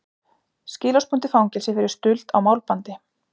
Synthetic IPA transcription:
scɪːlawspʰujnt̪ɪfawŋcɛlsɪfɪɾɪɾ̥st̪ʏlt̪awmawlpant̪ɪ

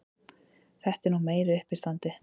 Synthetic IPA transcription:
θɛht̪ɛɾnuɣmeːjɾɪʏhpɪ̥st̪ant̪ɪ

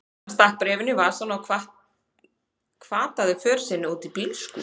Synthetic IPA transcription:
st̪ahk̚pɾɛːvɪnːɪvaɾ̥sɔnːawkʰvaht̪ | kʰvaːt̪aðɪfœːɾ̥sɪnːɪuːt̪ipilskʏ

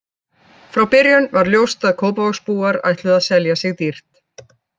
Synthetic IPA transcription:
fɾawpɪɾjʏnvaɾljowst̪aðkʰoːwpavɔxspuːaɾa̰jht̪lʏðaðsɛljasɪɣt̪ir̥t̪

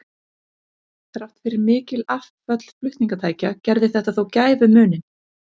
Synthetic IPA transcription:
θɾawht̪fɪɾɪɾmɪːcɪlaft̪fœt̪l̥flʏht̪niŋkat̪ʰaːjcacɛɾðɪθɛht̪aθowcaːjvʏmʏːnɪn

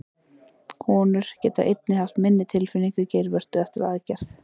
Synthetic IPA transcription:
kʰɔːnʏɾ̥cɛːt̪aʔejt̪nɪhal̥t̪mɪnːɪt̪ʰɪlfɪniŋkʏceːjɾvɛr̥t̪ʏɛft̪ɪɾaðcɛr̥θ

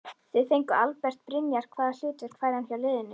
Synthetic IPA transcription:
θvɪðθejŋkʏalpɛr̥t̪̚pɾɪnjaɾ̥kʰvaːðal̥ʏːt̪ɪɾ̥kʰvaːjɾhanfjawlɪːðɪnːʏ

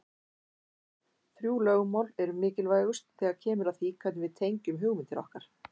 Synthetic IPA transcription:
θɾjuːlœɣʏmaːwlɛɾʏmɪːcɪlvaːjɣʏst̪θɛːɣaɾcʰɛːmʏɾaðθikʰvat̪nɪvɪðt̪ʰejɲcʏmɦʏɣmɪnt̪ɪɾɔ̰hkaɾ̥

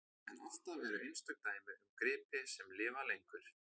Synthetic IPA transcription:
ɛna̰l̥t̪avɛɾʏʔejnst̪œk̚t̪aːjmɪðʏmkɾɪːpɪsɛmlɪːvalejŋkʏɾ̥

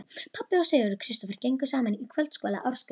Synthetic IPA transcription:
pʰapːɪɔwseːðʏɾʏkʰɾɪst̪ɔfɛɾ̥cejŋkʏsaːmanikʰvœlt̪skɔːla̰ʔawɾ̥sk

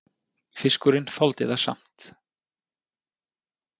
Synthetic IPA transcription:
fɪskʏɾɪnfɔlt̪ɪðḁsa̰m̥t̪

